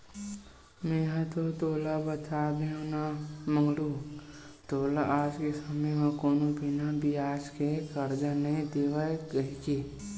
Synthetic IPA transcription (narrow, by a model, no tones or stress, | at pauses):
mẽɦãt̪ot̪oːlabət̪ʰaːbeõnamə̃ŋɡɽu | t̪oːlaʔaːd͡ʒkesəmejãkoːnobʱɪnabʱiaːskekəɾd͡ʒanəĩt̪eːʋaekəɦke